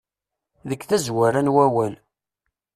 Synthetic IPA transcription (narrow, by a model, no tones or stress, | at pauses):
ðəkːθæzwæɾænwæwæl